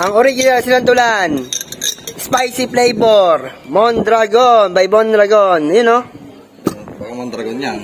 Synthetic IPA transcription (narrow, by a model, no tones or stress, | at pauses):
ʔɐŋoɾiɡɪnalsɪlant̪ʊlan | spajsɪplɛjboɾmond̪ɾaɡonbɐjbond̪ɾɐɡonjʊno | ɐɐmond̪ɾɐɡonjan